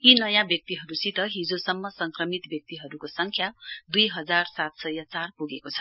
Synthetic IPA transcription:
inʌjãbjʌk̚t̪iɦʌɾusʰit̪ʌɦid͡zosʌmːʌsʌŋkrʌmit̪bjʌk̚t̪iɦʌɾukosʌŋkʰjad̪ujɦʌd͡zarsat̪sʌjʌt͡sarpuɡekot͡sʰʌ̥

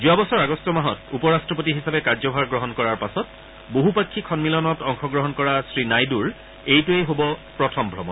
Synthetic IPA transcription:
zuabɔsɔɹaɡɔstɔmaɦɔtupɔɹastɹɔp̬otiɦisapɛkaɹzɔbʱaɹɡɹɔɦɔnkɔɹaɹpasɔt | boɦupakʰːikʰɔnmilɔnɔtɔŋxɔɡɹɔɦɔnkɔɹasɹinajduɹ | ejtueɦobɔpɹɔtʰɔmbʱɹɔmɔn

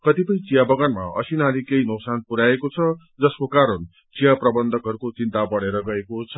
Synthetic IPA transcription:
kʌt̪ipʌj̃t͡sijabʌɡanma̰ʌ̰sinalikejnʌwsanpuɾaekot͡sʰʌ | d͡zʌskokaɾʌn | t͡sijaprʌbʌnd̪ʱʌkɦʌɾukot͡sint̪abʌɽeɾʌɡʌɦekot͡sʰʌ

